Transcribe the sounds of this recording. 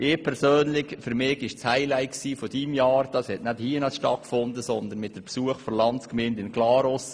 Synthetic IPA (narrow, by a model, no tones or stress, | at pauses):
ʔɪːpʰɛɾsøːnlɪçfyɾmɪːɡɪʃt͡shaɪlæɪksiːfɔd̥imjɑːɾd̥ɑshɛtnæthiːənɑlsʃtɑt̚kfʊnd̪əsɔnd̪ənmɪt̚d̥əpsuəχfɔlɑnskmɪːndɪnklɑːɾos